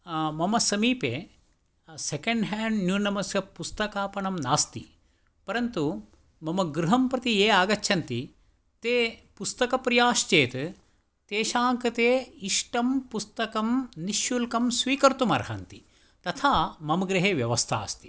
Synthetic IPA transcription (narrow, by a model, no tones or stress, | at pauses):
mɐmɐsɐmiːpeː | sekeɳɖɦæːɳɖnjunɐmɐsjɐpust̪ɐkaːpɐɳɐmnaːst̪ḭ | pɐɾɐnt̪u | mɐmɐɡɾuɦɐmpɾɐt̪ieːaːɡɐt͡ʃːʃʰɐnt̪i | t̪eːpust̪ɐkɐpɾijaːʃt͡ʃeːt̪ | t̪eːʃaːŋkɐt̪eːiʂʈɐmpust̪ɐkɐmniʃjulkɐmsʋiːkɐɾt̪umɐ̰ɾɦɐ̰nt̪i | t̪ɐt̪ʰaːmɐmɐɡɾɐɦeːʋjɐʋɐst̪ʰa̰ːst̪i̥